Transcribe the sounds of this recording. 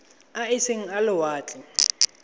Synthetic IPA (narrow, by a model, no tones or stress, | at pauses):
aɪseŋ̩alɪwaːt͡ɬʼɪ